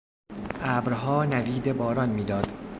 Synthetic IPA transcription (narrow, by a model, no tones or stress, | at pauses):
ʔæːbɾɦɒːnæviːd̪ebɒːɾɒnmiːd̪ɒːd̪̥